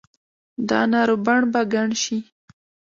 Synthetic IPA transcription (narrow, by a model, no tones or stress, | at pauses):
d̪ɑ̰nɑɾobaɳbaɡaɳʃi